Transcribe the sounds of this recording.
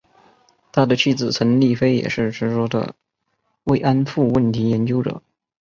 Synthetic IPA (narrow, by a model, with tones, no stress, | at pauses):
t̪ʰa˥d̪ə˨˧t͡ɕʰy˥˩d͡zɹ̩˨˩t͡sʰə˧˥nli˥˧fe˥ɪjɛ̰˨˩ʂɻ̩˥˩ʈ͡ʂʰɻ̩˧˥ʂwɔ˥d̪ə̰˧ | we˥˩ɪʔa˥nfu˥˧wə˥˩nt̪ʰi˧˥jɛ˧˥nt͡ɕjo˥ʊʈ͡ʂɤ̰˨˩˦